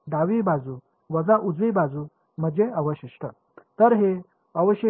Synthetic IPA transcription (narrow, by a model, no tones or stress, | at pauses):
ɖaʋibad͡zu | ʋəd͡zaʔud͡zibad͡zu | m̤əd͡ʑeəʋəɕiʂʈə | t̪əɾɦe | əʋəɕjə